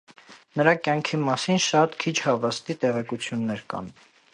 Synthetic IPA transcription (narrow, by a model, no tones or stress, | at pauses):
nəɾɑkjɑŋkʰimɑsinʃɑt̪kʰit͡ʃʰhɑvɑst̪it̪ɛʁɛkut͡sʰjunːɛɾkɑ̰n